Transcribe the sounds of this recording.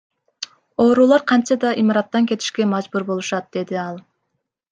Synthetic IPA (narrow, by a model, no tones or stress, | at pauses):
o̞ːɾuːlˠɑɾqʰɑnt͡ʃɑd̪ɑʔimɑɾɑt̪ːɑŋkʲe̞t̪i̥ʃke̞mɑd͡ʒbuɾbo̞lˠuʃɑt̪̚d̪e̞d̪iɑlˠ